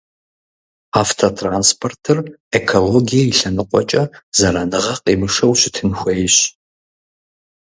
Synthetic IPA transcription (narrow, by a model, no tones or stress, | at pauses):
aftʰotʰranspʰortʰɨrekʰoloɡijɐiɬɐnɨqʷʼɔt͡ʃʼɐzɐɾɐnɨʁɐqʼeːmɨʂɐwɕɪtʰɨnxʷejɕ